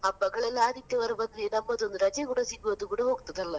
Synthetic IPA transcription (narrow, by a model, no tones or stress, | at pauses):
ɐpːɐɡɐɭɛlːaːd̪it̪ːɐʋɐɾɐbɐnɾenɐmːɐd̪ond̪uɾɐd͡ʒɐkuːɽɐsiɡːɯʋɐd̪ukuːɽɐɦoːɡut̪ɐðɐlːɐ